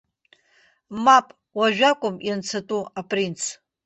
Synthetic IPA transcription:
mapʼ | waʒᶣakʷʼʊmjant͡sʰatʼuapʼrint͡sʰ

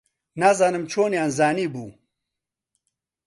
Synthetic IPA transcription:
naːzaːnɨmt͡ʃʰoːnjaːnzaːniːbuː

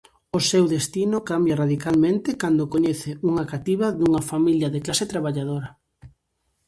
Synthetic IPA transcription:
ʊsewðest̪inʊkambjaraðikalmẽnt̪ɪkand̪ʊkoɲeθɪuŋakat̪iβaðuŋɐfamiljɐðɪklaset̪ɾaβaʎaðoɾɐ

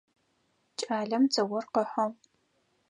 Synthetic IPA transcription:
t͡ʃʼaːɮɐmt͡sɐwɔrqəħʷɔ

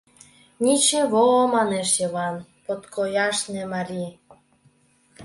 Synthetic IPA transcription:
nʲit͡ɕeβoːmɑneʃjɤβɑnpot̪kʰojɑʃnĕmɑɾʲi

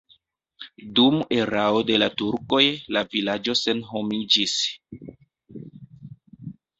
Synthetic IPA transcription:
dume̞ɾao̞de̞latuɾko̞jlavilad͡ʒo̞se̞nɦo̞mid͡ʒis

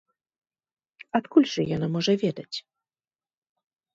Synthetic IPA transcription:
at̪kulʲʐɨjanamɔʐɛvʲjɛd̪at͡ɕʲ

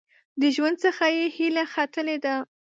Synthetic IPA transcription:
d̪əʒwand̪̚səxajehilaxat̪əled̪a

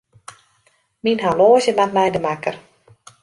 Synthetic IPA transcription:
minɦaloːzjəmantlɛjdəmakər

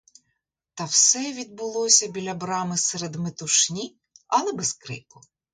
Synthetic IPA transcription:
t̪ɐwsɛʋʲid̪̚bʊlˠɔsʲɐbʲilʲɐbɾɑmɪsɛɾed̪met̪ʊʃnʲi | ɐlˠɛbeskɾɪ̰pʊ

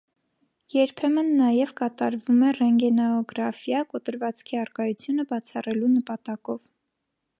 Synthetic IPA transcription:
jɛɾpʰɛmənːɑjɛvkɑt̪ɑɾvumɛrɛŋɡɛnɑɔɡɾɑfjɑkɔt̪əɾvɑt͡skʰiɑrkɑjut͡sʰjunəbɑt͡sʰɑrɛlunəpɑt̪ɑkɔv

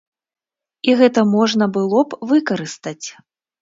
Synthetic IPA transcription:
iɣɛt̪ɐmɔʐnɐbɨlˠɔpvɨkɐɾɨst̪ɐt͡sʲ

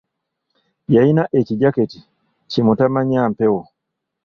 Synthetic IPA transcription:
jainaʔɛkiɟakɛti | t͡ʃimutamaɲam̩pɛwɔ

